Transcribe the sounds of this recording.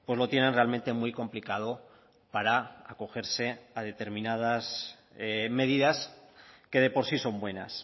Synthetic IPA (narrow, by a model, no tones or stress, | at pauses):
pwe̞zlo̞t̪je̞nenre̞almẽnt̪e̞mwujko̞mplikað̞o | paɾaako̞xe̞ɾse̞að̞e̞t̪e̞ɾmĩnað̞as | me̞ð̞iðaske̞ð̞e̞po̞ɾsiso̞mbwe̞na̰s